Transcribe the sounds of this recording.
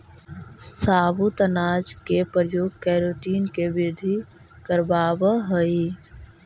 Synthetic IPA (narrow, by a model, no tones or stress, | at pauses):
saːbut̪ənaːd͡ʒkepɾjoːɡ̚kɛːɾoːʈiːnkebɪd̪ʱi | kəɾbaːbəɦəi